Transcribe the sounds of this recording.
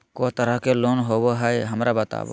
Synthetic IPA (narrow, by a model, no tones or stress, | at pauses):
kot̪əɾəkeloːnɦoːʋoɦɛjɦəmɾʔabət̪a̰ːʋo̰